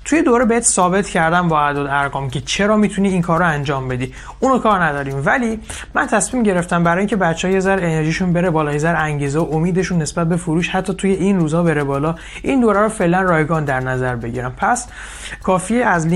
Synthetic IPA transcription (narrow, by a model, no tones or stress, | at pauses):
t̪ʰujed̪oːɾebehet̪ʰsɒːbe̞t̪ʰcʰæɾd̪ænbɒːæd̪od̪æɾɡɒːmcʰet͡ʃʰeɾɒːmiːt̪ʰuniːŋkʰɒːɾːoænd͡ʒɒːmbe̞d̪iː | ʔuːnokʰɒːɾnæd̪ɒːɾiːmvæli | mænt̪ʰæsmiːmɟe̞ɾe̞ft̪æmbæɾɒːjiŋcʰe̞bætt͡ʃːehːjezæɾene̞ɾʒiːʃunbe̞ɾebɒːlɒːjezæɾæŋɟiːzeoʔomiːd̪e̞ʃunːe̞sbæt̪̚be̞foɾuːʃhæt̪ʰːɒːt̪ʰuje̞ʔinruːzhɒːbe̞ɾebɒːlɒː | ʔind̪oːɾæɾofe̞ʔlænrɒːjɡɒːnd̪æɾnæzæɾbe̞ɟḭɾæmpʰæs | kʰɒːfiːæzli